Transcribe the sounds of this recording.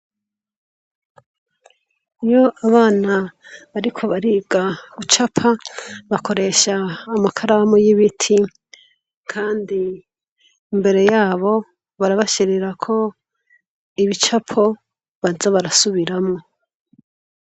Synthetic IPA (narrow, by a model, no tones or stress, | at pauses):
ijo̞ʔaβaːnaβaɾikʰo̞βaɾiːɡaɡut͡ʃapʰaβakʰo̞ɾe̞ʃaːmakʰaɾamojiβitʰi | kʰaːndiː | mbe̞ɾe̞jaːβo̞ | βaɾaβaʃiɾeɾakʰo̞ | iβit͡ʃapʰo̞ | βazaβaɾasuβiɾamŋo̞